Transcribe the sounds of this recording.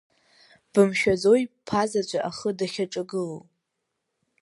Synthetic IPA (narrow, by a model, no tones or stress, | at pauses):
b̥ɨmʃᶣazo̞jpʰazat͡ʃʷʼaʔaχədaχʲaʈ͡ʂʼaɡɨlo